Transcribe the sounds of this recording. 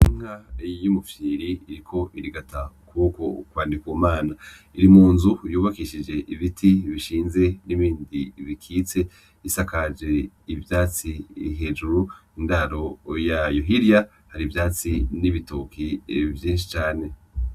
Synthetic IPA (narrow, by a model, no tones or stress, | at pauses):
iŋ̥ajumufiɾiiɾikʰo̞ʔiɾiɡatʰakuko̞kwaːndikwuːmaːna | iɾimuːnzujuːβakiʃid͡ʒe̞ʔiβitʰiβiʃiːnze̞niβiːndiβikʰiːt͡se̞ | isakad͡ʒe̞ | ivjaːt͡siɦe̞ːd͡ʒuɾuindaɾo̞jajoɦiɾja | haɾivjaːt͡siniβitokivjiːnʃ̬i̥t͡ʃaːne̞